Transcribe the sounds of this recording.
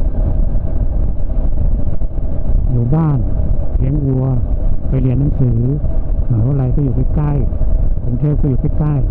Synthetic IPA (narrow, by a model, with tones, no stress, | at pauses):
juː˨˩baː˥˩nli˨˦ə˨ŋʔu˧ɐpa˧jli˧ənːa˨˦ŋsɯː˩˦haː˨˦wla˧jkʰɔː˥˩juː˨˩t̪a˦˥˩ka˥˩j | t̪ʰe˧˦ŋt̪ʰeː˥˩kʰɔː˥˩juː˨˩k̪ʰa˧˥˩ka˥˩j